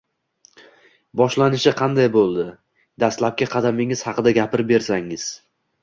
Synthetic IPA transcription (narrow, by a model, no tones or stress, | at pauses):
bɒʃlanɪʃɪqʰɑnd̪ajbolˠd̪ɪ | d̪ast̪lap̚kʲaqʰɑd̪amɪŋɪz̥hɑqɨd̪aɡʲapɪɾbe̞ɾsaŋɪz̥